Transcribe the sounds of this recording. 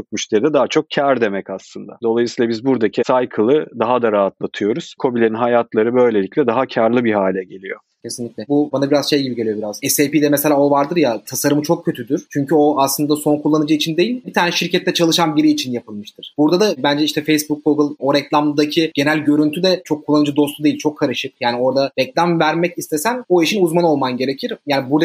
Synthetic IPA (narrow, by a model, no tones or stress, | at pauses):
okmyʃled̪ɛd̪aːat͡ʃʰo̞k̚cʰæɾd̪e̞mɛcaslˠɯnd̪a̰d̪o̞lˠajɯsiːlˠabizbuɾd̪acʰisajkʰɯlˠɯd̪aɦad̪aɾaːat̪lˠat̪ʰɯjo̞ɾuz̥kʰo̞bilʲe̞ɾinɦajat̪lˠaɾɯbø̞jlʲe̞lʲicʲlʲɛd̪aɦacʰaɾlˠɯbiɦaːlʲɛɟe̞lʲijo | cʰe̞sinlʲicʲlʲɛbubanabiɾazʃe̞jɟibiɟelʲijo̞biɾaz̥ɛsepiːd̪ɛmɛse̞lʲaːovaɾd̪ɯɾjat̪ʰasaɾɯmɯt͡ʃʰo̞k̚cʰːø̞t̪ʰyd̪yɾ̥t͡ʃʰyɲcʰyo̞aslˠɯnd̪aso̞nkʰulˠːanɯd͡ʒɯit͡ʃʰind̪e̞jilʲbit̪ʰaːnɛʃiɾcʰɛt̪ʰːɛt͡ʃʰalˠɯʃanbiɾiːt͡ʃʰinjapɯlˠmɯʃt̪ʰɯɾ̥b̥uɾd̪ad̪abænd͡ʒɛiʃt̪ʰɛfejsbuk̚ɡoɡɯlˠo̞ɾɛclʲamd̪acʰiɟ̥e̞nælʲɟø̞ɾynt̪ʰyd̪ɛt͡ʃʰo̞kʰːulˠːanɯd͡ʒɯd̪o̞st̪ʰud̪e̞jilʲt͡ʃʰo̞kʰːaɾɯʃɯk̚jaːnio̞ɾd̪aɾɛclʲamvæɾmɛcist̪ʰe̞sæno̞iʃinuzmano̞lˠmanɟe̞ɾe̞cʰiɾjaːnibuɾd̪a